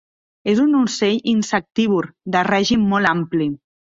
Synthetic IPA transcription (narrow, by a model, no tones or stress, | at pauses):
ezunuseʎinsak̚t̪iβuɾd̪ərɛʒimːɔlampli